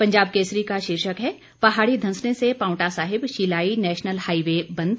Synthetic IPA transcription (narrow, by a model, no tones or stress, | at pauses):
pɐ̃ɲd͡ʒaːb̚keːsɾikaʃɪɾʃəkɦɛ | pɐɦaːɽid̪ʱɐ̃nsnesepãːʊ̃ʈasaːɦɪbʃiːlaːinɛːʃnəlhaːiʋebɐ̃nd̪